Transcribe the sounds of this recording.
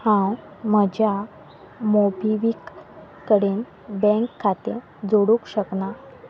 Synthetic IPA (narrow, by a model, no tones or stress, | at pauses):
hãwm̤əd͡ʑja | mobʱiʋikː | əɽiːn | bɛ̃ŋkʰːat̪ḛ | d͡zoɽukɕəkna